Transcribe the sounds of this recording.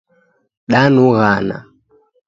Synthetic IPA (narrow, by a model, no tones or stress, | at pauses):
ɗanuɣana̰